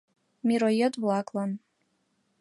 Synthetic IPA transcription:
miɾojɛtʼwlakʼlan

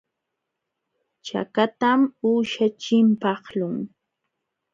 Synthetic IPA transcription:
t͡ʃa̰kat̪amuːʃat͡ʃɪmpɑχlʊŋ

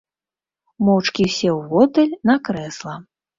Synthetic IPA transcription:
mɔwt͡ʂkʲiwsʲɛwvɔt̪ɛlʲnakɾɛslˠɐ

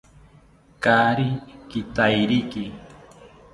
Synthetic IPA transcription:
kaɾikit̪ajɾiki

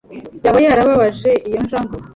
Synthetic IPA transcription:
jaβajaːɾaβaβaʒe̞ʔijo̞nʒaːŋɡo

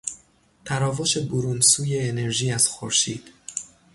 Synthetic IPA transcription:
t̪ʰæɾɒːvo̞ʃe̞boɾunsuːje̞ːne̞ɾʒiːæz̥xoɾʃiːd̪̥

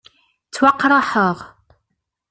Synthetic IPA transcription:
t͡sːwɑqːɾˤəħəʁ

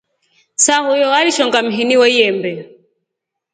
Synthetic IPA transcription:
sahujɔaliʃɔŋɡam̩ɦiniwɛijɛmbɛ

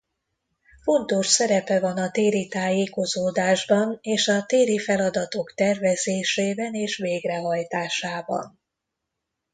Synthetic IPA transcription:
fo̞nt̪o̞ʃsɛɾɛpɛvɒnɒt̪eːɾit̪aːjeːko̞zoːd̪aːʒbɒneːʃɒt̪eːɾifɛlɒd̪ɒt̪o̞kt̪ɛrvɛzeːʃeːbɛneːʃʋeːɡrɛɦɒjt̪aːʃaːbɒ̰n

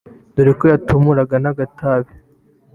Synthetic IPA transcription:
duɾikojatʰumuɾaɡanaɡatʰaβi

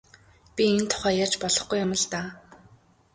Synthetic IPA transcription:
pʲient̪ʰʊ̥χæːjat͡ɕpɔɮɞ̆χɡujamə̆ɮt̪aː

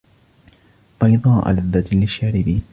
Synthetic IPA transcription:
b̥ɑjd̪ˤɑːʔa̰laðːad̪lɪʃːaːɾɪbi

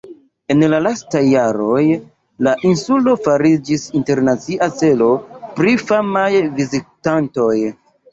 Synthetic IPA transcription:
e̞nlalastajːaɾo̞j | laʔinsulo̞faɾid͡ʒisinte̞ɾnat͡siʔat͡se̞lo̞pɾifamajvizitanto̞j

